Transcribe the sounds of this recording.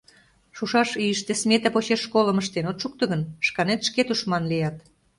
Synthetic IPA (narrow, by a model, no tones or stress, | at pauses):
ʃuʃɑʃiəʃt̪esmʲet̪ɑpot͡ɕeʃːkoləməʃt̪enot̪ʃuk̚t̪ɤ̆ɣənʃkɑnet̪ʃket̪uʃmɑnlijɑt̪